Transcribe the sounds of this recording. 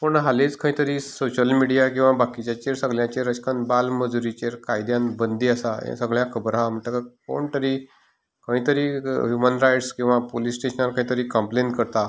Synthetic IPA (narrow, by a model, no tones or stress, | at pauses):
poɳɦalet͡skʰə̃ĩt̪əɾiːsoɕəlmiɽijak̬ĩw̃ʋabakit͡ɕjat͡ɕeɾsəɡɭjãt͡ɕeɾət͡ɕkʰənbalməd͡zuɾit͡ɕeɾkajd̪jãnbənd̪ʱiːasaḛ̃səɡɭjãkʰəbɾam̤əɳʈ̪əkako̰ɳt̪əɾiː | kəĩt̪əɾiːɦjumənɾajʈskĩw̃ʋapolisʈeɕənaɾkə̃ĩt̪əɾiːkəmpleɳʈkəɾt̪a